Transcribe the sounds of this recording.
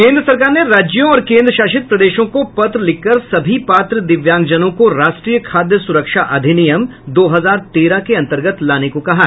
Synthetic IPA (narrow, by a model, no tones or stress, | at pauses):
kẽːnd̪ɾəsɐɾkaːɾneɾaːd͡ʒjõɔːɾkẽːnd̪ɾəʃaːʃɪt̪̚pɾɐd̪eːʃõkopɐt̪ɾəlɪkːəɾsɐbʱipaːt̪ɾəd̪ɪʋjãːŋɡd͡ʒənõkoɾaːʃʈɾiːjəkʰaːd̪jəsʊɾəkʃaʔɐd̪ʱɪnijəmd̪oːɦɐzaːɾt̪eːɾakeɐ̃nt̪əɾɡət̪laːnekokɐɦa